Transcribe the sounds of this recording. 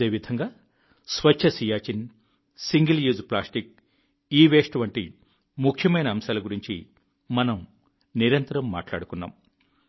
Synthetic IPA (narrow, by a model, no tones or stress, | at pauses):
eːʋid̪ʱɐŋɡaː | sʋɐt͡ʃʰːɐsijaːt͡ʃin | siŋɡɐljuːzplaːsʈik̚ | iːʋeːsʈʋɐɳʈḭ | mukʰjɐmɐjnɐːmsaːlɐɡuɾiɲt͡ʃḭ | mɐnɐm | niɾɐnt̪ɐɾɐmːa̰ːʈla̰ːɽukunːa̰ːm